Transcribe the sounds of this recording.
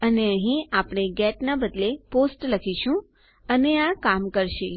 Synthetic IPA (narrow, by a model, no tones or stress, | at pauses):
əneəɦĩapɽ̃eɡɛʈnabəd̪leposʈləkʰiʃũ | əneakamkəɾʃe